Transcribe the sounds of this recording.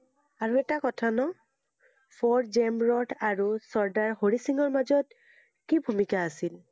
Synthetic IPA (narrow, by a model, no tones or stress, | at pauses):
aɹuɛtakɔtʰanɔ | pʰɔtzɛmbɹɔtʰaɹusɔɹdaɹhoɹisiŋɔɹmazɔt̚ | kibʱumikaːsil